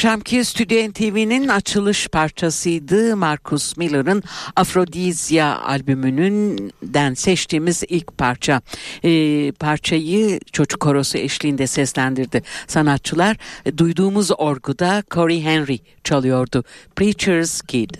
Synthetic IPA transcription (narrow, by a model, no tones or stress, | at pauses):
ʃamcʰist̪ʰyd̪joɛnt̪ʰivininat͡ʃʰɯlˠɯʃpʰaɾt͡ʃʰasɯjd̪ɯmaɾkʰusmilʲˠɯɾɯnafɾo̞d̪izja̰a̰lʲbymynynd̪ænsɛt͡ʃt̪ʰiːmizilʲcpʰaɾt͡ʃʰa | pʰaɾt͡ʃʰajɯt͡ʃʰo̞t͡ʃʰu̥kʰːo̞ɾo̞suɛʃlʲiːnd̪ɛsɛslʲænd̪iɾd̪ɪsanat̪̚t͡ʃʰːɯlˠaɾd̪ujd̪uːmuzo̞ɾɡud̪akʰo̞ɾiɦɛnɾi | t͡ʃʰalˠɯjo̞ɾd̪ʊpɾit͡ʃʰɛɾz̥kʰid̪̥